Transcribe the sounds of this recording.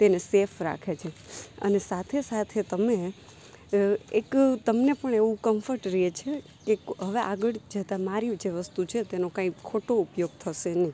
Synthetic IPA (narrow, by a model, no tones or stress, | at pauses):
t̪enesefɾa̰kʰet͡ʃʰeə̰nesat̪ʰesat̪ʰet̪əme | ekt̪əmnepəɳeʋũkəmfəɾʈɾiet͡ʃʰe | keɦəʋeʔaɡəɭd͡ʒət̪amaɾiũd͡ʒeʋəst̪ut͡ʃʰet̪enokãikʰoʈoupjoɡ̚t̪ʰəʃenəi